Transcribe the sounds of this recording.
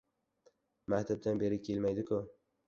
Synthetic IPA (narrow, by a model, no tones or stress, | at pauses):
makʲt̪ʰab̚d̪ʰanbe̞ɾɪkʲʰe̞lmajd̪ɪkʰʊ